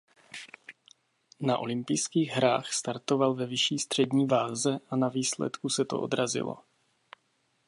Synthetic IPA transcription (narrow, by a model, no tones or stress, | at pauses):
naʔo̞̰lɪmpɪjskiːɣɦɾaːxst̪aɾt̪o̞valvɛvɪʃiːst̪r̝̥ɛdɲiːvaːzɛʔanaviːslɛ̰t̪kusɛt̪o̞̰ʔo̞̰d̪ɾazɪ̰lo̰